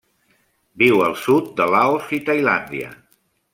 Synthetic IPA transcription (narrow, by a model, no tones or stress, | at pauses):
biwəlˠsut̪̚d̪əlaosit̪əjland̪iə̰